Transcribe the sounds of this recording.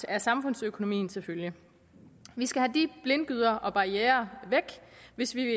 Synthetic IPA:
æɐsɑ̈mfɔ̽n̰søkʰo̝no̝mḭːn̩sefølji | ʋisɡ̥æhæd̥ib̥le̝nɡ̥yð̞̰ˠɐʔɒ̽b̥ɑ̈ieːɐʋeɡ̥ʋe̝sʋiʋe̝

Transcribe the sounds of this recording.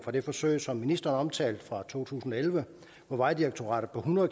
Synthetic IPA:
fɒd̥e̝fɒ̽søɪsɒ̽mːinisd̥ɐnɒ̽mt͡sʰɛ̰ːld̥fʁɑ̈t͡sʰo̝̰ːt͡sʰṵːsn̩ɒ̽elʋə | ʋɒʋɑ̈ɪd̥iʁɑɡ̥̚t͡sʰo̝ʁɑ̰̈ːɾ̥ð̩ˠpʰɒ̽ɦunɐðˠ

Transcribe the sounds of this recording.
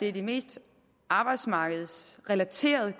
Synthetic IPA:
d̥e̝æd̥e̝me̝̰ːsd̥ | ʔɑ̈ːb̥ɑ̈ɪd̥smɑ̈ːɡ̥əð̞̩ˠsʁɛlæt͡sʰe̝̰ːɐð̞ˠə

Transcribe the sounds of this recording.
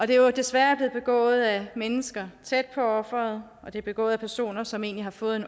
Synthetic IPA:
ɒ̽d̥e̝d̥e̝sʋæːɐb̥le̝ːð̩ˠb̥e̝ɡ̥ɔ̰̽ːð̞̩ˠæmenəsɡ̥ɐt͡sʰed̥̚pʰɒ̽ɒ̽fʁɐð̞̩ˠʔɒ̽d̥e̝ɐb̥e̝ɡ̥ɔ̰̽ːð̩ˠæpʰæɐso̝̰ːnɐsɒ̽me̝ːnlihɑ̈fɔ̽ːð̞̩ˠe̝n

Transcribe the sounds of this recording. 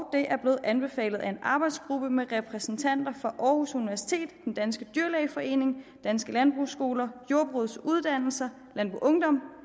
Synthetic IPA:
ɒd̥e̝ʔæɐb̥le̝ːð̩ˠʔænb̥e̝fɛ̰ːlð̞̩ˠæe̝nʔɑ̈ːb̥ɑ̈ɪd̥sɡ̥ʁub̥əmeʁɛpʰʁɛsn̩t͡sʰæn̰d̥ɐfʁɑ̈ʔɒːhusuniʋæɐsi̥t͡sʰe̝̰ːd̥ːend̥ænsɡ̥əd̥yɐlɛɪfɒ̽e̝̰ːne̝ŋd̥ænsɡ̥əlænb̥ʁusɡ̥o̝ːlɐjo̝ɐb̥ʁɔð̰ˠsuð̞ˠd̥æn̰l̩sɐ | lænb̥ʁṵʔɔ̽ŋd̥ɒ̽m̰

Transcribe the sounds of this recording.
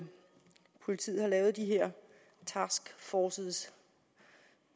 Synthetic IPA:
pʰo̝lit͡sʰḭːð̩ˠhɑ̈lɛːʊð̞̩ˠd̥iɦeɐ̰ | t͡sʰæsɡ̥fɒːsəðˠs

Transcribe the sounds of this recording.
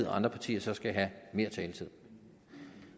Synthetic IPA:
ð̰ˠɒɑ̈nd̥ʁɐpʰɑ̈t͡sʰḭːɐsɒ̽sɡ̥æiɦæme̝ɐt͡sʰɛːlət͡sʰið̰ˠ

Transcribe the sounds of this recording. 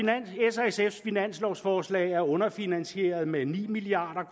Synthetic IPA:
neseseffinæn̰slɒʊsfɒːslɛ̰ɪæɐɔ̽nɐfinænɕe̝̰ɐð̞ˠmenḭːmiliɑ̰̈ːd̥ɐkʰ

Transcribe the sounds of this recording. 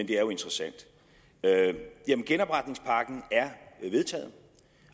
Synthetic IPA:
end̥e̝æɐjo̝e̝nd̥ʁɐsæn̰d̥ | jæmənɡ̥enɒ̽b̥ʁad̥ne̝ŋspʰɑ̈ːɡ̥n̩æɐʋe̝ð̞ˠt͡sʰɛ̰ːð̩ˠ

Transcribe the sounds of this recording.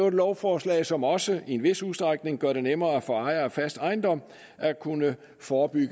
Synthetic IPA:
ʊd̥lɒʊfɒːslɛ̰ɪsɒ̽mɒ̽səe̝nʋe̝suðˠsd̥ʁɑɡ̥̚ne̝ŋɡ̥ɶɐ̰ɾ̥e̝nemɐːæfɒ̽ɑ̈ɪɐæfæsd̥ɑ̈ɪnd̥ɒ̽m̰ | ækʰunə | fɒːb̥yɡ̥ə

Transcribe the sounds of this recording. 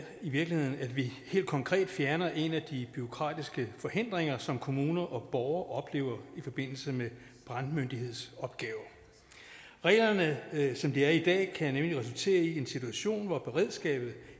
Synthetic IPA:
iʋiɐɡ̥lihe̝ð̰ˠn̩æd̥ʋihe̝̰ːld̥̚kʰɒ̽ŋkʰʁɛ̰ːd̥fjæɐnɐʔe̝næd̥ib̥yo̝kʰʁɑ̰̈ːd̥isɡ̥əfɒ̽he̝n̰d̥ʁeŋɐsɒ̽mkʰo̝muːnɐʔɒ̽b̥ɒʊɐʔɒ̽b̥le̝̰ːʊ̰ɐifɒ̽b̥e̝n̰l̩səme | b̥ʁɑ̈nd̥mønd̥ihe̝ð̞̰ˠsɒ̽b̥ɡ̥ɛːʊɐ | ʁɛ̰ːlɐnəsɒ̽md̥iæɐid̥ɛ̰ːkʰæjanemliʁɛs̬ult͡sʰe̝̰ːɐie̝nsit͡sʰuæɕo̝̰ːnʋɒb̥e̝ʁɛð̰ˠsɡ̥ɛ̰ːb̥ð̞̩ˠ

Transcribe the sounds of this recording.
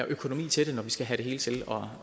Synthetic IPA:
ɐʔøkʰo̝no̝mḭːt͡sʰe̝d̥e̝nɒʋisɡ̥æɦæɾ̥e̝ɦe̝ːlət͡sʰe̝lɒ̽

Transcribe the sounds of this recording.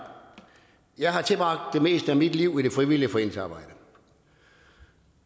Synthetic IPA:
jɑ̈ɪɦɑ̈t͡sʰe̝lb̥ʁɑ̈ɡ̥̚d̥ːe̝me̝̰ːsd̥əæmid̥liʊ̰iɾ̥e̝fʁiʋiliəfɒḛn̰̩sɑ̈ːb̥ɑ̈ɪ̰d̥ə

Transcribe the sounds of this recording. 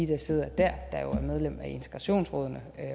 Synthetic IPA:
id̥æse̝ð̞̰ˠɐd̥æɐ̰d̥ɑjo̝æɐmeð̞ˠlem̰æe̝nt͡sʰe̥ɡ̥ʁɑ̈ɕo̝̰ːnsʁɔ̽ːð̞ˠnə

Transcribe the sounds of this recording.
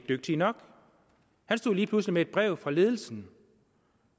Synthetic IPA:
d̥øɡ̥̚d̥iənɒ̽ɡ̥ | hænsd̥o̝ð̰ˠliːpʰluslimee̝d̥̚b̥ʁɛʊ̰fʁɑ̈le̝ːð̞ˠl̩sn̩

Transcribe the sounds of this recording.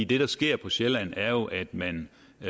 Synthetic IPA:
ḭːd̥e̝ɾ̥ɑ̈sɡ̥e̝ɐ̰pʰɒ̽ɕelænæɐjo̝ʔæd̥mæn

